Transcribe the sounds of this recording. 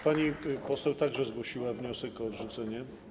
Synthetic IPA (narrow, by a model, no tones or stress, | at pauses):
paɲipɔsɛwt̪aɡʐɛzɡwɔɕiwavɲɔsɛkɔːdʐut̪sɛɲɛ